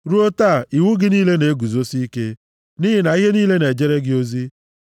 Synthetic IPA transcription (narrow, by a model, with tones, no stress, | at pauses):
ɾu˦o˦ta˦˨i˨wu˦ɡɪ˦niː˦le˦ne˨e˦ɡu˨zo˦si˦i˦ke˦ | ni˦ɦɪ˨na˨i˦ɦe˦niː˦le˦ne˨d͡ʒe˦ɾe˦ɡɪ˦o˦zi˦